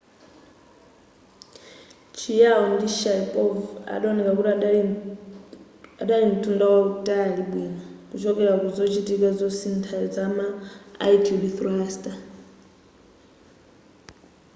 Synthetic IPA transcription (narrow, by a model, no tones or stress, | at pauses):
t͡ʃʰijaɔndiʃapʼɔva̰ɗaɔnɛkakuti | aɗalim̩tʰundawautʼaliɓwinɔkut͡ʃɔkɛɾakuzɔt͡ʃitikazɔsintʰad͡zama̰ːitʰudiθɾastʼa